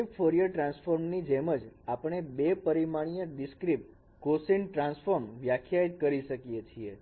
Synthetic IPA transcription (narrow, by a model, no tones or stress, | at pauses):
ifʰoɾijəʈɾãnsfʰoɾmnid͡ʒɛməd͡ʒapəɳ̃ebepəɾimaɳ̃ijəɖiskɾip̚ | kosinʈɾãnsfoɾmʋjakʰjait̪̚kəɾiʃəkijet͡ʃʰie